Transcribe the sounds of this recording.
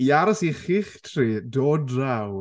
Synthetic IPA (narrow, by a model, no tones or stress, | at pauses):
iaɾɔsiχiχtʰriːdoːdraw